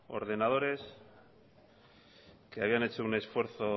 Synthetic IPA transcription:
o̞̰ɾðe̞nað̞o̞ɾe̞s | keaβiane̞t͡ʃoune̞sfwe̞ɾθo̞

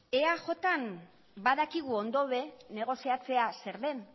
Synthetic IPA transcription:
e̞aʝo̞t̪an | baðakiɣ̞uo̞nd̪oβe̞ne̞ɣ̞o̞siat͡se̞ase̞ɾðe̞n

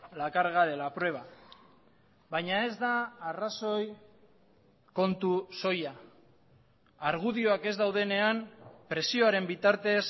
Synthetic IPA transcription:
lakaɾɣaðe̞lapɾwe̞β̞a | bajɲae̞zd̪aːraso̞j | ko̞nt̪uso̞ja | aɾɣ̞uðio̞ake̞zd̪awðe̞ne̞ampɾe̞sio̞aɾe̞mbit̪aɾt̪e̞s

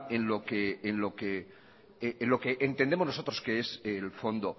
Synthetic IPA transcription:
enlokeːnlo̞ke | nlo̞keʔent̪end̪emoznoso̞t̪ɾo̞skeeselfo̞nd̪o

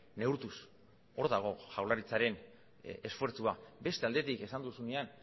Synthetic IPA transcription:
ne̞uɾt̪us | o̞ɾðaɣ̞o̞ʝawlaɾit͡saɾe̞n | e̞sfwe̞ɾt͡suabe̞st̪e̞ald̪e̞t̪ike̞sand̪usunean

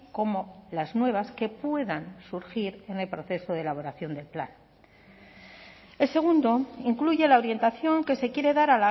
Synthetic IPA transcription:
ko̞mo̞laznwe̞β̞aske̞pwe̞ðansuɾxiɾe̞ne̞lpɾo̞θe̞so̞ðelaβ̞o̞ɾaθjo̞nd̪e̞lpla̰n | e̞lse̞ɣ̞und̪o̞iŋkluʝe̞lao̞ɾje̞nt̪aθjo̞ŋke̞se̞kje̞ɾe̞ðaɾala

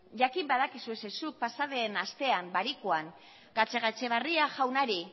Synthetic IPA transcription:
ʝakimbaðakisue̞sesuk̚pasaðe̞ːnast̪e̞ambaɾikuan | ɡ̥at͡se̞ɣat͡se̞βariaʝawnaɾi

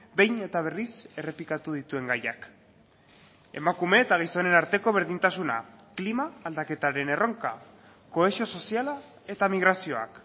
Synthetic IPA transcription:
be̞jne̞t̪aβ̞e̞rise̞re̞plikat̪uðit̪ue̞ŋɡajak | e̞̰makume̞ːt̪aɣijst̪o̞ne̞naɾt̪e̞ko̞β̞e̞ɾðint̪asuna̰klimaːld̪ake̞t̪aɾe̞ne̞ro̞ŋka | ko̞e̞sio̞so̞siala | e̞t̪amiɣɾasio̞a̰k

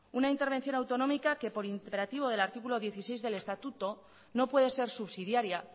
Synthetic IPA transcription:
unaint̪e̞ɾβe̞n̟θjo̞nawt̪o̞no̞mikake̞po̞ɾint̪epeɾat̪iβ̞o̞ðe̞laɾt̪ikulo̞ðje̞θise̞jzðe̞le̞st̪at̪ut̪o̞ | no̞pwe̞ðe̞se̞ɾsuβsið̞jaɾja

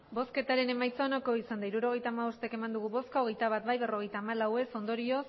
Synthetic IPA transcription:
bo̞ske̞t̪aɾe̞ne̞majt͡saonako̞isand̪aiɾuɾo̞ɣ̞e̞jt̪aːmaβo̞st̪eke̞mand̪uɣ̞uβo̞skaoɣe̞jt̪aβat̪bajβe̞ro̞ɣ̞e̞jt̪aːmalawe̞so̞nd̪o̞ɾio̞s

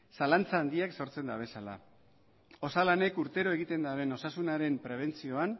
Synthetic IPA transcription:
salant͡saːnd̪iakso̞ɾt͡se̞nd̪aβ̞e̞sala̰ | o̞salane̞kuɾt̪e̞ɾo̞e̞ɣ̞it̪e̞nd̪aβe̞no̞sasunaɾe̞mpɾe̞β̞e̞nt͡sio̞an

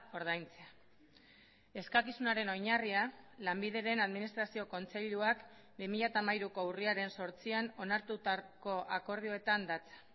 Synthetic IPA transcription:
o̞ɾð̞ajnt͡sea | e̞skakisunaɾe̞no̞jɲarialambiðe̞ɾe̞naðminist̪ɾasio̞ko̞nt͡se̞ʎuak | bimiʎat̪amajɾuko̞uriaɾe̞nso̞ɾt͡siano̞naɾt̪ut̪ako̞ʔako̞ɾð̞ioet̪and̪at͡sḁ

